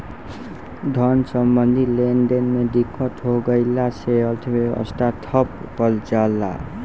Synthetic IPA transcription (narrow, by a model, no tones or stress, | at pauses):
d̪ʱʌnsʌmbʌnd̪ʱilenɖenmeɖ̪ikʰːɔt̪ɦoɡʌjlaseʌlt̪ʰeeɔ̰sʈat̪ʰɔppʌlt͡ʃalːa̰